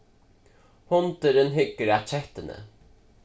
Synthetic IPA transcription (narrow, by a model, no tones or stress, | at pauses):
hɔnt̪əɾənɦʏɡəɾæt͡ʃʰɛt̪ənə̰